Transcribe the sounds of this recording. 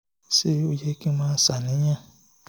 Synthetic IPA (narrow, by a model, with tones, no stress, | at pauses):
se˦o˧je˦ki˦mãː˦sa˨nĩ˨˦ɲã˦˨